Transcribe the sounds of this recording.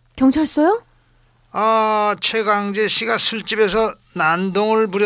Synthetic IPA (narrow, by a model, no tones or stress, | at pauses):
kjʌŋt͡ɕʰaɭs͈ʌjo | at͡ɕʰeɡwaŋd͡ʑe̞ɕʰiɡasʰuɭt͡ɕ͈ibe̞sʰʌ | nandoŋɯɭpuɾjʌ